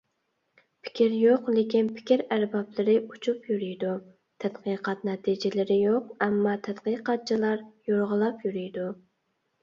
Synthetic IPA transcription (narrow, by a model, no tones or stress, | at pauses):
pʰɪ̥kʲʰiɾjoqlɪkʲinpʰɪ̥kʲiɾæɾbɑplˠɪɾɪut͡ʃʰupjyɾyjd̪u | t̪ʰæt̪qɨqʰɑt̪nɛt̪ʰid͡ʒɪlɪɾɪjoqɛmːɑt̪ʰæt̪qɨqɑt̪̚t͡ʃʰilˠɑɾjoɾʁəlˠɑpjyɾyjd̪u